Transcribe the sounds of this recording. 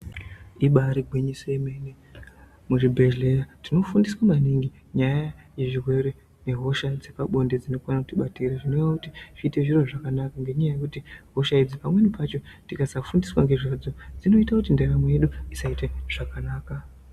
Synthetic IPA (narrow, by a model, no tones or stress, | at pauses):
iɓaɾiɡʱweɲisoemene | muʐibʱe̞ʒle̞jatino̞fundiswamaniŋɡi | ɲajaje̞ʐirwe̞ɾe | ne̞ɦo̞ʃad͡ze̞paɓo̞nded͡zino̞kuanakutiɓatiraʐinoʋakutiʐ̥iːte̞ʐiro̞ʐakanakaŋɡe̞ɲajaje̞kutiɦo̞ʃaid͡zipamwe̞nipat͡ʃo̞tikasafundiswaŋɡe̞ʐad͡zo̞d͡zino̞itakutinderamwejeɗuisaiteʐ̥akanaːka